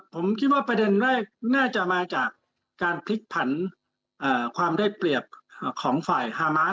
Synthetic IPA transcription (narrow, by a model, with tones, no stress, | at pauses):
pʰo˩˦mkʰi˦˥t̪̚waː˥˩pɾa˧de˧nɾɛː˥˩k̚naː˥˩t͡ɕa˨˩maː˧t͡ɕaː˨˩k̚ː | aː˧npʰi˦˥k̪̚pʰa˩˦n | ʔaː˨˩kʰwaː˧mdaː˥˩jpli˨˩əp̚ːkʰɔː˩˦ŋfaː˨˩jhaː˧maː˦˥